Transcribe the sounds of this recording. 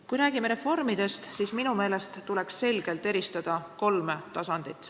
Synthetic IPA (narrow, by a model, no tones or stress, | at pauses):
kujɾæːɡ̥ime̞ɾe̞fo̞rmid̪e̞st̪siːsminume̞ːle̞st̪ːule̞ksːe̞lɡ̥e̞lt̪ˑe̞ɾist̪ɑd̪̥ɑko̞lmet̪ɑsɑnd̪̥it̪ːˑ